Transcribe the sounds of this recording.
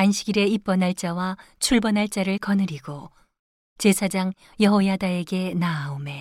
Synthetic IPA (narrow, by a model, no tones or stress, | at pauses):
anɕʰiɡiɾe̞ip͈ʌnɦaɭt͡ɕ͈awa | t͡ɕʰuɭbʌnɦaɭt͡ɕ͈aɾɯɭkʌnɯɾiɡo | t͡ɕe̞sʰad͡ʑaŋ | jʌɦojadae̞ɡe̞naome̞